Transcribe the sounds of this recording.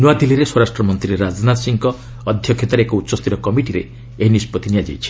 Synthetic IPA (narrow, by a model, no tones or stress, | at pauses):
nuad̪ilːiɾeswɔɾasʈɾɔmɔnt̪ɾiɾad͡ʒnasiŋkɔː | d̪ʱjɔkʰjit̪ɔɾeekɔut̪ːʃɔst̪ʰiɾɔkɔmiʈiɾḛ | eɦnispɔt̪inijad͡ʒḛjt͡ʃʰi̥